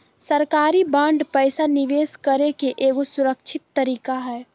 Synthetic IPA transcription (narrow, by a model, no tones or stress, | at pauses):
səɾkaɾibãɳɖpəjsaniʋeskəɾekeʔeɡosuɾək̚t͡ʃʰɪt̪ːəɾiːkaɦɛ